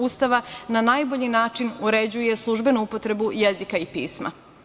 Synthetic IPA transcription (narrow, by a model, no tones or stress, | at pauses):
ust̪aʋananaːjbo̞ʎinaːt͡ʂinuɾed͡ʑuje̞slˠuʒbe̞nuupo̞t̪ɾe̞bujezikaipḭːsma̰